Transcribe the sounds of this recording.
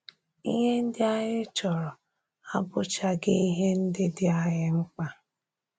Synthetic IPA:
ḭ˦ɦe˦n̩˦dɪ˦a˦ɲɪ˦t͡ʃɔ˨ɾɔ˨ | a˦bʊ˦t͡ʃa˦ɡɪ˦i˦ɦe˦n̩˦dɪ˦dɪ˦a˦ɣɪ˦ŋ͡m̩˦k͡pa˦

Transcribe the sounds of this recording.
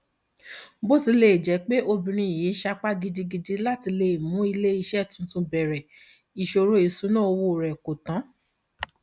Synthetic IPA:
bo˦ti˧le˨d͡ʒɛ˨˦k͡pe˦ʔo˧bĩ˧ɾ̃ĩ˧i˨je˨˦ʃa˧k͡pa˦ɡi˧di˧ɡi˧di˧la˦ti˧le˨mũ˨˦i˧le˦i˧ʃɛ˦˨tũ˨˦n̩˦tũ˧bɛ˨ɾɛ˨ | i˨ʃo˧ɾo˦i˨sũ˦nã˦˨o˧wo˧˨ɾɛ˨ko˨tã˨˦

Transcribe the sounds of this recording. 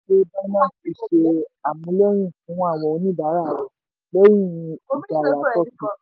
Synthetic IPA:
e˦ba˦mã˦fi˨ʃe˧a˨mũ˨˦lɛ˦ɾ̃ĩ˦˨fũ˨˦wɔ̃˦a˦˨wɔ˨o˧nĩ˦ba˨˦ɾa˦˨ | bɛ˦j̃ĩ˦˨˧i˨da˨la˨˦tɔ˦˨tĩ˨

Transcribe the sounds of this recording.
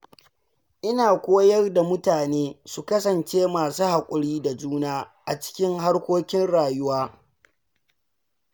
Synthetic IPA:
ʔɪ˦naː˨kʷoː˦jɐ˦rda˨mʊ˦taː˨neː˦su˨kɐ˦sɐ˨nt͡ʃeː˦maː˨suː˦ha˨kʷʼʊ˨ɽiː˦da˨d͡ʒuː˦naː˦ʔa˨t͡ʃɪ̥˦kʲɪ˦ŋɦa˦rkʷoː˦kʲɪ˦nɽaː˨jʊ˦waː˦

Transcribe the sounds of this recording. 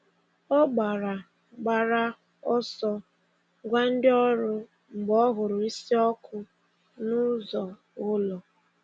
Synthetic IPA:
ɔ˦ɡ͡ba˨ɾa˨ | ɡ͡ba˨ɾa˦ | ɔ˦sɔ˦ | ɡʷa˦n̩˦dɪ˦ɔ˦ɾʊ˦ | m̩˨ɡ͡bɔ˦ɦʊ˨ɾʊ˨i˦si˦ɔ˦kʰʊ˦ | nʊ˦zɔ˨ | ʊ˦lɔ˨

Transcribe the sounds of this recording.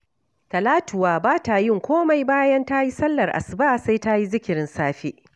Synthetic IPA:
kɐ˨laː˦tʊ˨waː˨baː˦ta˨jɪ˦˨ŋkʷoː˦ma˦jbaː˦jɐ˦nta˦ji˦sɐ˦lːɐ˨rʔa̰˨sbaː˦sa˦jta˦ji˦zɪ˦kʲɪ˨ɾɪ˦nsaː˦ɸi˦ʔ

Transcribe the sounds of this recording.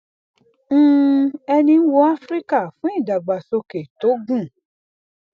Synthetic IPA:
ɛ˧nĩ˧n̩˦wo˧˦a˦fɾi˦ka˦˨fũ˨˦i˦˨da˨ɡ͡ba˨so˧ke˨to˨˦ɡũ˦˨

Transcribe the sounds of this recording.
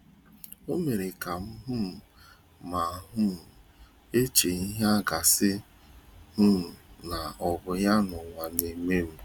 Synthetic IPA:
o˦me˨ɾe˨ka˨m̩˦ɦu˦˨ | ma˨ɦu˦˨ | e˦t͡ʃe˨i˦ɦe˦a˦ɡa˨sɪ˦ | hu˦˨na˨ʔɔ˨bʊ˨ja˦nʊ˨ŋʷa˨ne˨me˦m̩˦

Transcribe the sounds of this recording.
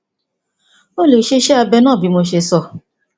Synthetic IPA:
o˦˨le˨ʃe˧ʃɛ˦a˧bɛ˧nãː˦˨bi˨˧˦mo˧ʃe˧sɔ˧˨

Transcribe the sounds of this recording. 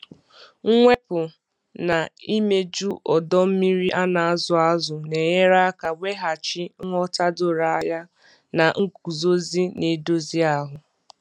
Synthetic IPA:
ŋ̩˦ŋʷe˦pʊ˨ | na˨i˦me˦d͡ʒu˦ʔɔ˨dɔ˦m̩˦mi˦ɾi˦ʔa˦na˨a˦zʊ˨a˦zʊ˨ne˨ɲe˦ɾa˦ka˨wʷe˦ɦa˨t͡ʃɪ˦ŋʷ˦ɔ˦ta˦dʊ˦ɾa˨a˦ja˦ | na˨ŋ̩˦ku˨zo˦zi˦ne˨do˦zi˦a˦ɦʊ˨

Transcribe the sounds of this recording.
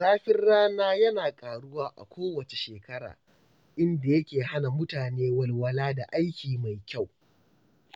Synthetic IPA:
saː˦ɸɪ˦rːaː˦naː˦jɐ˦naː˨kʼaː˨ɽʊ˦waː˦ʔa̰˨kʷʰoː˦wɐ˨t͡ʃe˨ʃeː˨kɐ˦ɽa̰ː˨ | ʔɪ˦nda˨jɐ˦kʲeː˨ha˦na˨mʊ˦taː˨neː˦wɐ˨lwɐ˦laː˦da˨ʔa˦jkʲiː˨ma˨jkʲa˦˨w

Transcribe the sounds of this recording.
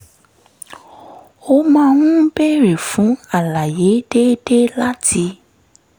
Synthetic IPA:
o˧mãː˦w̃ũ˦bɛ˦˨ɾe˨fũ˨˦a˦˨la˨je˨˦de˦de˦la˦tʰi˧

